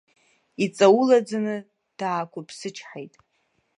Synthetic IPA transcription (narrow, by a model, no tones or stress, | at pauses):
it͡sʼawulad͡zanɨ | d̥aːkʷʰʊpʰsɨt͡ʃʰħejtʼ